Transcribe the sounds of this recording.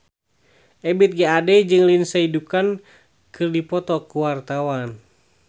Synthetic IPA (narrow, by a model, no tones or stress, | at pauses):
ʔɛbit̪̚ɡaadɛd͡ʒɨŋlinsaidukan | kɨrdipɔt̪ɔkuwart̪awan